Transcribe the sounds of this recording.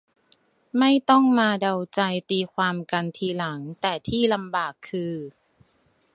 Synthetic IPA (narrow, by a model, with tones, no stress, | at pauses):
ma˥˩jt̪ɔ˥˩ŋmaː˧da˧wt͡ɕa˧jt̪iː˧kʰwaː˧mka˧nt̪ʰiː˧la˩˦ŋt̪ɛː˨˩t̪ʰiː˥˩la˧mbaː˨˩kʰːɯː˧